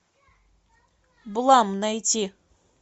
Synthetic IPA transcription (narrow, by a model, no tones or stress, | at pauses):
bʊlˠɑmnajt̪ʲe